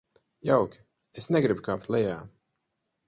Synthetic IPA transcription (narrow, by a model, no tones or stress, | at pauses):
jawkʲi̥ | esnɛɡɾibukaːpt̪lɛjaː